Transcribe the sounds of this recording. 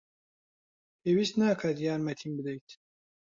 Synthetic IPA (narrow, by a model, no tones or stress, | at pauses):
pʰeːwist̪naːkʰat̪jaːɾmɛt̪ʰimbɨd̪ɛjt̪